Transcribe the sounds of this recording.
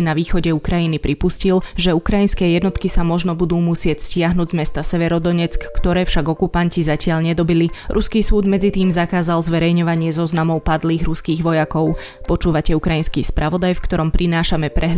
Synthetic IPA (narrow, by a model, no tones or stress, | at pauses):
naʋiːxɔɟɛukɾajinipɾipuscilʒɛukɾajinskɛːjɛd̪nɔt̪kisamɔʒnɔbud̪uːmusɪɛcscɪaɦnuːɟzmɛst̪asɛʋɛɾɔd̪ɔɲɛt͡skːt̪ɔɾɛːfʃaɡɔkupancizacɪaʎɲɛd̪ɔbiliɾʔuskiːsuːd̪mɛd͡zit̪iːmzakaːzalzʋɛɾɛjɲɔʋaɲɪɛzɔznamɔʊpad̪liːɣɾuskiːɣʋɔjakɔʊ | pɔt͡ʃuːʋacɛukɾajinskḭːspɾʔaʋɔd̪ajfkt̪ɔɾɔmpɾʔinaːʃamɛpɾɛɦ